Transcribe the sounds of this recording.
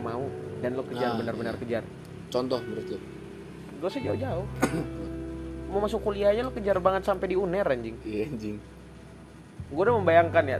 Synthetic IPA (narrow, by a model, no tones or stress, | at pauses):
maudanlokəd͡ʒarbənarbənarkəd͡ʒar | t͡ʃɔnt̪ɔhbəɾit̪ʊt̪̚ | ɡosad͡ʒaʊd͡ʒaʊh | momasʊkːuliaɲalokəd͡ʒarbaŋət̪sampɛdiunɛɾaɲd͡ʒɪŋiaɲd͡ʒɪŋ | ɡodaməmbajaŋkanja